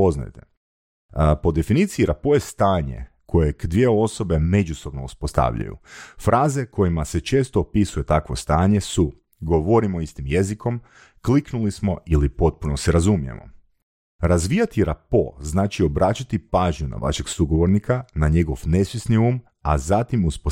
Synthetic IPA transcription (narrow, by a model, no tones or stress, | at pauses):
po̞zna̰jt̪e | po̞d̪e̞finit̪siːɾapo̞jest̪aːɲḛ | kʰo̞jeɡd̪ʋijeo̞so̞be̞me̞d͡ʒuso̞bno̞uspo̞st̪a̰ʋʎa̰jṵfɾʔaːzekʰo̞jimase̞t͡ʃeːst̪oːpisuje̞t̪akʋo̞st̪aːɲe̞su | ɡo̞ʋo̞ɾimoist̪imje̞ziko̞m | kliknulismo̞ilipo̞t̪̚puno̞seɾazumijḛmo̞̰ | ɾazʋiːjat̪iɾapo̞̰znaːt͡ʃio̞bɾaːt͡ʃat̪ipaːʒɲuna̰ʋa̰ʃe̞ɡsuɡoʋo̞ɾnikʰanaɲe̞ɡo̞ʋne̞sʋjesniuːm | azat̪imuspo